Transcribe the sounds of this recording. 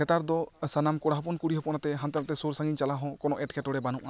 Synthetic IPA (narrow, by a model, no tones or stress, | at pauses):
ɛt̪aɾd̪ɔsanamkɔɽaɦɔpɔnkuɽiɦɔpɔnat̪ɛɦant̪aɾat̪ɛsoɾsaŋɡiɲt͡ʃalaɦɔ̃kɔnɔʔɛʈkʰɛʈɔɽɛbanṵʔa